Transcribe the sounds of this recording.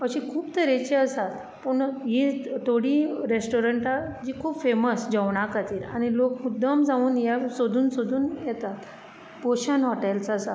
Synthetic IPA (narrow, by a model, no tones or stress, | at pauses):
əɕikʰuːpt̪əɾet͡ɕeəsat̪ | pəɳjit̪ʰoɽiɾesʈoɾəɳʈad͡ʑiːkʰuːpfeməsd͡ʑəʋɳ̃akat̪iːɾa̰ɽ̃ilokmud̪ʱəmd͡zaʋuːnjasod̪ʱuːnsod̪ʱuːnjɛt̪at̪ | poɕənɦɔʈelt͡səsa